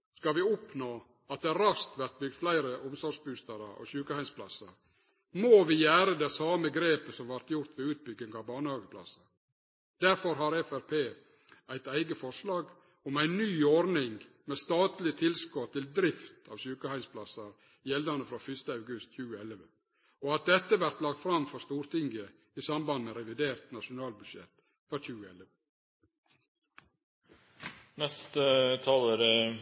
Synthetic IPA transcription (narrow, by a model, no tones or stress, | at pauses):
skɑʋɪʊpnoː | ɑt̪̚d̪ɛɾɑst̪ʋæɾt̪̚bʏɡ̚d̪flæɪɾəʔʊmsɔɾʂbʉst̪əɾəɔ̰çʉːkəhæɪnspʰlɑ̰sɑ̰ɾ | moʋɪjæːɾəd̪ɛsɑːməɡɾeːpəsɔmʋæɾt̪jʊɾt̪ʋɪʉːt̪̚bʏɡːɪŋɑʋbɑːnəhɑːɡəpʰlɑ̰sːɑɾ | d̪̥æɾfɔɾɦɑɾɛfæɾpʰeː | æɪt̪æɪɡəfɔʂlɑːɡ | ɔmæɪnnyːɔɾnɪŋ | meːst̪ɑːt̪lɪt̪ʰɪlskɔt̪ʰɪld̪ɾɪft̪ʰɑ̰ːʋsʉːkəhæɪnspʰlɑsɑɾ | jɛld̪ɑnəfɾɑːfʏst̪əɑʉɡʉst̪çʉːəɛləʋə | ɔɑt̪̚d̪ɛt̪ːəʋæɾt̪lɑk̚t̪fɾɑmfɔɾst̪uːɾt̪ʰɪŋɡə | isɑmbɑnmɛɾɛʋɪd̪eːɾt̪nɑʃʊnɑːlbʉd̪ʂɛ̰t̪ː | fɔɾçʉːəɛləə | nɛst̪ət̪ʰɑləɾə